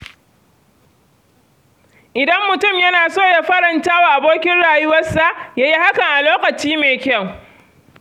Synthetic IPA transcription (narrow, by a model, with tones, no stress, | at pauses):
ʔɪ˨dɐ˦mːʊ˨tʊ˦˨mjɐ˦naː˨soː˦˨ja˦ɸɐ˦ɽɐ˨ntaː˦waː˨ʔa˨boː˦kʲɪ˦nɽaː˨jʊ˦wɐ˦sa˦˨ʔjaː˦ji˦ha˦kɐ˨ŋʔa˨loː˦kɐ˨t͡ʃiː˦meː˨kʲɐ˦˨w